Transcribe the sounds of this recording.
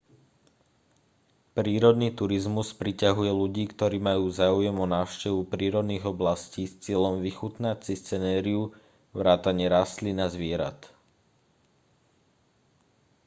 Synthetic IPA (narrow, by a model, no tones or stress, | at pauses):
pɾiːɾɔd̪niːt̪uɾizmuspɾicaɦujɛluɟiːkt̪ɔɾiːmajuːzaːujɛmɔnaːʊʃcɛʋupɾiːɾɔd̪niːɣɔblasciːst͡sɪɛʎɔmʋixut̪nact͡sist͡sɛnɛːɾiu | ʋɾaːt̪aɲɪɛɾast̪linazʋɪɛɾa̰t̪